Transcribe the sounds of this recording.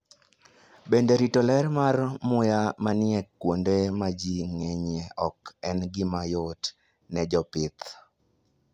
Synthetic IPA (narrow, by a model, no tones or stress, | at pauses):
bendeɾitolɛrmarmʊjamanɪɛkkːwondemad͡ʒiŋɛɲeɔkɛnɡɪmajot | nɛd͡ʒɔpɪt̪